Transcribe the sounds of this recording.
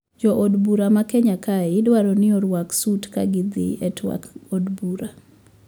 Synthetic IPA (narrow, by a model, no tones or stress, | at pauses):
d͡ʒɔʔodbuɾamakɛɲakaɛɪdwaɾɔnɪɔɾwaksutkaɡɪd̪ɪ̰ɛtwa̰kodbuɾa